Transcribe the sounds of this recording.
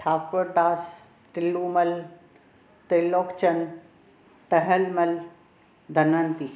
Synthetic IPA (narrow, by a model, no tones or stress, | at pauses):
ʈʰaːkːʊɾd̪aːs | ʈɪlːuːmɐl | t̪eloːkt͡ʃɐn | ʈɐɦəlmɐl | d̪ʱɐnənt̪i